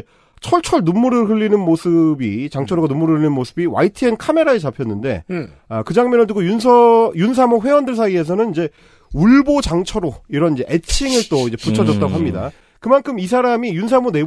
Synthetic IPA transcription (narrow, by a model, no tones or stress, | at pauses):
t͡ɕʰʌɭt͡ɕʰʌɭnumːuɾɯɦɯʎːinɯnmosʰɯbit͡ɕaŋt͡ɕʰʌɾoɡanumːuɾɯɭɯɭːinɯnmosʰɯbiwa̰itʰɯenkʰame̞ɾaeɭt͡ɕapʰjʌnːɯnde̞̰ | ʌkɯd͡ʑaŋmjʌnɯɭdɯɡojuns̬ʰʌjuns̬ʰamoɸwe̞wʌndɯɭs̬ʰaie̞s̬ʰʌnɯnid͡ʑe̞ | uɭbot͡ɕaŋt͡ɕʰʌɾoiɾʌnid͡ʑe̞ʔet͡ɕʰiŋɯɭt͈oid͡ʑe̞put͡ɕʰʌd͡ʑʌt̚t͈aɡoɦamɲida̰ | kɯmankʰɯmis̬ʰaɾamijuns̬ʰamone̞